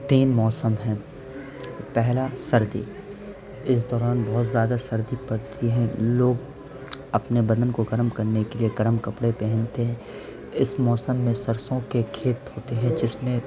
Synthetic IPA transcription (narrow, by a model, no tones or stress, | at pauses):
t̪iːnmɔːsəmɦɛ̃ː | pɛɦlasɐɾd̪ḭ | ɪs̬d̪ɔːɾaːnbɐɦʊt̪zjaːd̪asɐɾd̪ipɐɾt̪ʰiɦɛ̃loːɡ | ɐpnebɐd̪ənkoɡɐɾmkɐɾnekelieɡɐɾmkɐpɽepɛɦɛ̃nt̪eɦɛ̃ | ɪsmɔːsəmːẽsɐɾsõkekʰeːt̪ɦoːt̪eɦɛ̃d͡ʒɪsmẽ